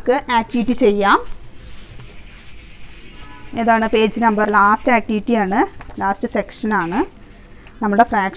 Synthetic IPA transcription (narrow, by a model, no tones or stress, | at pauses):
kːɨʔaːk̚ʈiʋiʈːit͡ɕe̞jːaːm | eðaːɳɨpe̞ːd͡ʑɨnɐmbɐrlaːstɨaːk̚tiʋiʈːijaːɳɨlaːstɨse̞kʂɐnaːɳɨ | nɐmːɨɽefraːkʂ